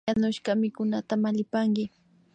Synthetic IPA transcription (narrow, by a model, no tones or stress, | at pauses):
anʊʃkɑmɪkʊnat̪amaʎɪpaŋkɪ